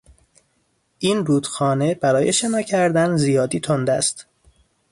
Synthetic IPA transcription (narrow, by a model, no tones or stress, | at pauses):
ʔiːnruːd̪xɒːne̞bæɾɒːje̞ʃe̞nɒːcʰæɾd̪ænzijɒːd̪iːt̪ʰond̪æ̰st̪